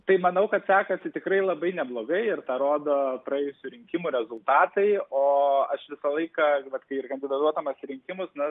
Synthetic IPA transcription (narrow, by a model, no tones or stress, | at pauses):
t̪ɐɪmɐnɐʊkɐt̪sʲæːkɐsʲɪt̪ʲɪkɾɐɪlˠɐbɐɪnʲɛblˠoːɡɐɪɪrt̪ɐɾoːd̪oːpɾɐɛːjʊsʲʊɾʲɪŋʲkʲɪmuːɾʲɛzʊlˠt̪ɑːt̪ɐɪoːɐʃʋʲɪsɐlˠɐɪkɐʋɐt̪kɐɪɪrkɐnʲd̪ʲɪd̪ɐt̪uɔt̪ɐmɐsɪɾʲɪŋʲkʲɪmʊsnɐ